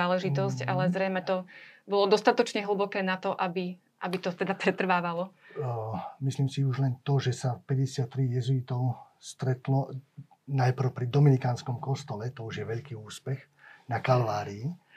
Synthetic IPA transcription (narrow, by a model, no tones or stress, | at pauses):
aːlɛʒit̪ɔsca̰lɛzɾɛjmɛt̪ɔbɔlɔd̪ɔst̪at̪ɔt͡ʃɲɛɦl̩bɔkɛːnat̪ɔʔabi | ʔabit̪ɔt̪ɛd̪apɾɛt̪r̩ʋaːʋalɔ | misliːmsiuʒlɛnt̪ɔʒɛsafpɛɟɛsɪat̪ːɾijɛzuit̪ɔʊ | st̪ɾɛt̪lɔ | najpr̩ʊpɾid̪ɔminikaːnskɔmkɔst̪ɔlɛt̪ɔuʒjɛʋɛʎkiːuːspɛx | nakalʋaːɾii